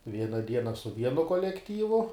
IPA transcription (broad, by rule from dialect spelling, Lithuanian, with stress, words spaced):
ˈʋʲiɛnɐ ˈdʲiɛnɐ sʊ ˈʋʲiɛnʊ koːlʲɛkˈtʲiːʋʊ